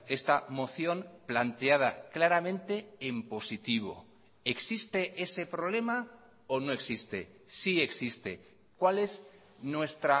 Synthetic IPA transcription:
e̞st̪amo̞θjo̞mplant̪eað̞a̰klaɾamẽnt̪e̞empo̞sit̪iβ̞o̞̰ | e̞ksist̪e̞ʔe̞se̞pɾoβ̞le̞ma | ono̞e̞ksist̪e̞̰ | sie̞ksist̪e̞ | kwale̞z | nwe̞st̪ɾa

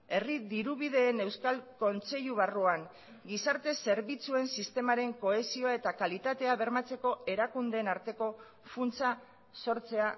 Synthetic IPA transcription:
e̞riðiɾuβið̞e̞ːne̞wskalko̞nt͡se̞ʎuβ̞aruaŋ | ɡisaɾt̪e̞se̞ɾβit͡sue̞nsist̪e̞maɾe̞ŋko̞e̞sio̞ae̞t̪akalit̪at̪e̞aβe̞ɾmat͡se̞ko̞e̞ɾakund̪e̞ːnaɾt̪e̞ko̞ | funt͡sa | so̞ɾt͡se̞a

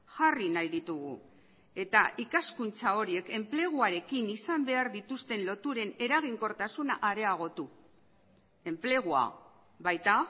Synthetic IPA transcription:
ʝarinajðit̪uɣṵ | e̞t̪aʔikaskunt͡sao̞ɾie̞ke̞mple̞ɣ̞uaɾe̞kinisambe̞aɾðit̪ust̪e̞nlo̞t̪uɾe̞ne̞ɾaɣ̞iŋko̞ɾt̪asunaʔaɾe̞aɣ̞o̞t̪u | e̞mple̞ɣ̞ua̰ | βajt̪a

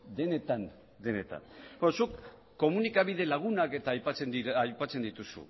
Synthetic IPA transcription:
d̪e̞ne̞t̪an | d̪e̞ne̞t̪a̰nbenosukː | o̞munikaβiðe̞laɣ̞unake̞t̪aːjpat͡seniajpat͡se̞nd̪it̪usṵ

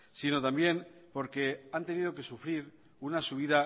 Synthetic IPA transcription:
sino̞t̪ambje̞mpo̞ɾke̞ant̪e̞nið̞o̞ke̞sufɾiɾ | unasuβ̞iða

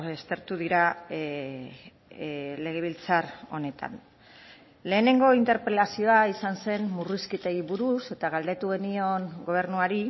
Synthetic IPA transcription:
est̪e̞ɾt̪uðiɾa | le̞ɣ̞e̞β̞ilt͡saro̞ne̞t̪a̰n | le̞ːne̞ŋɡo̞int̪eɾpelasio̞aisanse̞nmuriskit̪e̞iβuɾuse̞t̪aɣ̞ald̪e̞t̪uɣ̞e̞nio̞ŋɡo̞β̞e̞ɾnuaɾi

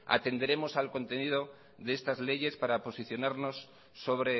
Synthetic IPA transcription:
a̰t̪e̞nd̪e̞ɾe̞mo̞salko̞nt̪e̞nið̞o̞ | ðest̪azle̞ʝe̞spaɾapo̞siθjo̞naɾno̞sː | o̞βɾe̞

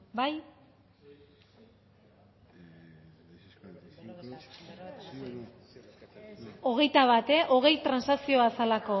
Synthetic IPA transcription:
baj | o̞ɣ̞e̞jt̪aβat̪e̞ʔo̞ɣ̞e̞jt̪ɾansasio̞asalako̞

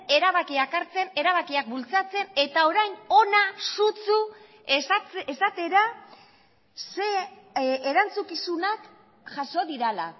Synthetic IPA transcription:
e̞ɾaβakiakaɾt͡se̞ne̞ɾaβakiak̚bult͡sat͡se̞ne̞t̪ao̞ɾajno̞nasut͡su | esat̪e̞ɾa | se | eɾant͡sukisunak | ʝaso̞ðiɾala̰

